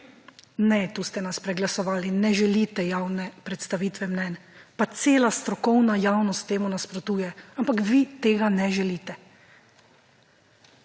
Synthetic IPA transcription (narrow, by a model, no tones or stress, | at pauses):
nɛt̪ust̪ɛnaspɾɛɡlasɔʋaːlinɛʒɛliːt̪ɛjaːwnɛpɾɛt̪st̪aʋiːt̪ʋɛmnɛnpat̪seːlast̪ɾɔkɔwnajaːwnɔst̪ːeːmunaspɾɔt̪uːjɛampakʋit̪eːɡanɛʒɛliːt̪ɛ